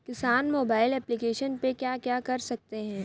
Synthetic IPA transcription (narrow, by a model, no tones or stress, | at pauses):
kɪsaːnmoːbaːɪlɛːplikeːʃənpekjaːkjaːkɐɾsɐk̚t̪eɦɛ̃ː